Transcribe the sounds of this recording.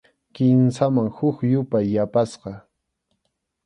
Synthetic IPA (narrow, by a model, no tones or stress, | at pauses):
kɪnsamaŋhʊkjʊpajːapasqɑ